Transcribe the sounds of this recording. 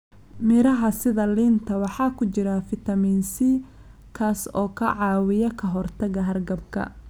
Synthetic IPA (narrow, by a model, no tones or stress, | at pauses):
mɪɾɐɦɐsɪðɐliːnt̪ʰɐwɑħɑːkʰʊt͡ʃɪɾɐfɪt̪ʰɐmiːnsɪ | kʰaːsɔːkʰɐʕɑːwɪjɐkʰɐɦɔrt̪ʰɐɣɐɦɐrɡɐbkʰɐ̰